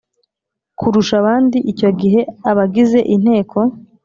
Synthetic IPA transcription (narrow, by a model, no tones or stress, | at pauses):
kuɾuʃaβaːndiʔico̞ɡiɦe̞aβaɡize̞ʔin̥he̞ːkʰo̞